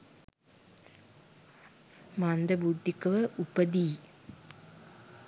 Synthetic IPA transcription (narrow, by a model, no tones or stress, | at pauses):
mand̪ɐbud̪ʱːikɐʋɐʔupːɐd̪iː